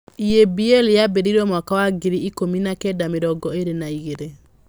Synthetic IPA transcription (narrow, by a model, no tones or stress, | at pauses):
iebiɛljabeɾiɾwɔmwakawaɡeɾiikominakɛdameɾɔɡɔeɾenaiɣeɾe